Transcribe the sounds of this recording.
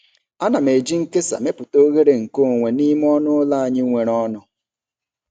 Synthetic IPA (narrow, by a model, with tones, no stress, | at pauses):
a˦na˨me˨d͡ʒi˦ŋ̩˦ke˦sa̰˨me˦pʊ˨to˦ɣe˦ɾe˨ŋ̩˨ko˦o˨ŋʷe˨ni˦m˦ɔ˦nʊ˦la˦a˨ɲɪ˦ŋʷe˨ɾɔ˦nʊ˨